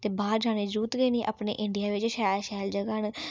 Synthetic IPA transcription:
t̪eːbaːɾd͡ʒaːneːd͡ʒuːt̪ɡeːnĩːʔa̰ːpnḛːʔɪɳɖijaːʋɪt͡ʃʃɛːlʃɛːld͡ʒəɡan

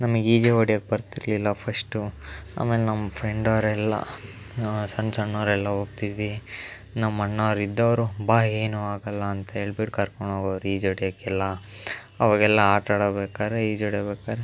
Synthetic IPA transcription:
nɐmɐɡiːd͡ʒeʋɐɽijɐk̚ːbɐɾt̪iɾlilːɐpʰɐsʈua̰ːmeːlenɐmːɐpʰɾeɳɖɐʋɾɛlːɐ̰ | sɐɳsɐnːɐːɾɛlːɐɦoːɡ̚t̪id̪i | nɐmːɐɳːɐːɾid̪ːɐʋɐɾubaːeːnuaːɡɐlːɐːnt̪ɐɦeːɭbiʈkɐɾkoɳɖaːɡɐʋɾuiːd͡ʒoːɽijɐkːɛlːɐ | ɐʋaːɡɛlːɐaːʈaːɽɐbeːkaːɾeiːd͡ʒoːɽjɐbɛːkaːɾe

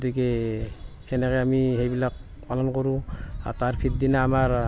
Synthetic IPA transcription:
tikɛ | hɛnaɡɛamiɦejbilak̚ | palɔnkɔɾua̰taɾpʰit̚dinaːmaɾ

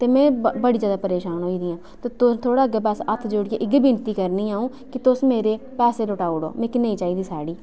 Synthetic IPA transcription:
t̪eːmɛ̃ːbəɽiːzjaːd̪aːpəɾeːʃaːnɦoːiːd̪iːãː | t̪eːt̪ʊst̪ʰoːɽaːəɡeːpɛːsət̪ʰd͡ʒoɽɪeʔɪɡbint̪iːkəɾniːaːũː | kɪt̪ʊsmeːɾeː | pɛːseːlʊʈaːuɽo̰ːmɪkɪnəĩːt͡ʃaːiːd̪iːsaːɽiː

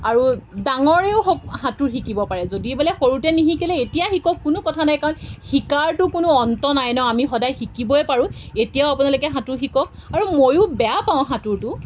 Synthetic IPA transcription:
aɹudaŋɔɹeʊxɔkhatuɹxikibɔpaɹɛzodibɛlɛxoɹutɛniɦikɛlɛetijaxikɔkːʊnʊkɔtʰanajkaɹɔnxikaɹtʊkʊnʊɔntɔnajnɔamixɔdajxikibɔɛpaɹũetijaʊapunalʊkɛɦatuɹxikɔk̚aɹumojʊbɛjapaʊ̃ɦatuɹtʊ

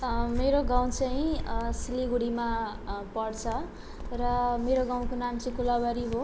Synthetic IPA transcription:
meɾoɡaw̃t͡sʌĩsiliɡuɽima | pʌɽt͡sʰʌ | rʌmeɾoɡãw̃konamt͡sʌĩkulabʌɾiɦo

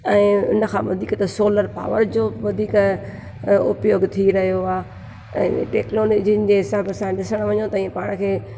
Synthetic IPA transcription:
ɛ̃ːʊ̰nəkʰãʋɐ̰d̪ʱiːkt̪ɐsoːləɾpa̰ːʋəɾd͡ʑoːʋɐd̪ʱiːk | ʊpjoːɡt̪ʰiɾɐɦijoaː | ɛ̰̃ːʈeːknoːloːd͡ʑiənɪ̆d͡ʑeɦɪsaːbɐsãɗɪsəɽ̃ʋɐɲõt̪ɐĩpaːɽ̃̆kʰeː

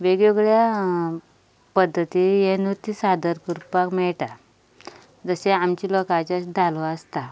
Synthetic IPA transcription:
ʋeɡjoɡɭja | pəd̪ʱːət̪ijenut̪ːisad̪əɾkuɾpakmɛɭʈ̪a | d͡zəseamt͡ɕiːlokat͡ɕasd̪ʱalʋaəst̪a

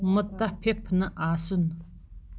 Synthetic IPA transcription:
mət̪ahpʰep̚ʰnəʔason

